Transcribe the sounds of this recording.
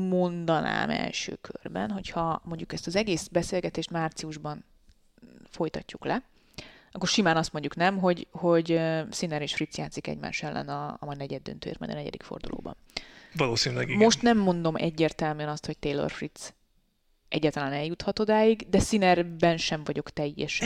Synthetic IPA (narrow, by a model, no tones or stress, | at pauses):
mo̞nd̪ɒna̰ːmɛ̰lʃø̰ːkʰø̰rbɛ̰nɦo̞chɒmo̞ɲɟukɛst̪ɒzɛɡeːsbɛseːlɡɛt̪eːʃt̪maːrt̪sijuʒbɒn | fo̞jt̪ɒcːuklɛ | ɒkːorʃimaːnɒst̪mo̞ɲɟuknɛmɦo̞ɟho̞ɟøsinɛɾeːʃfrit̪sjaːt̪sikɛ̰ɟma̰ːʃɛlːɛ̰nɒ̰mɒjnɛɟɛd̪ːø̰nt̪ø̰ːjḭːɾmɒ̰jd̪nɛɟɛ̰d̪ikfo̞̰rd̪ṵlʔo̰ːbɒ̰nʋɒloːsinylɛɡmo̞ʃt̪nɛmːo̞nd̪o̞mʔɛ̰ɟːeːrt̪ɛlmyɛnɒst̪hoc̚t̪eːlːo̰rfrit̪s | ʔɛɟːaːt̪ɒlaːnɛljut̪hɒt̪od̪aːjiɡd̪ɛsinɛrbɛnʃɛɱvɒɟo̞kt̪ɛjːɛʃɛ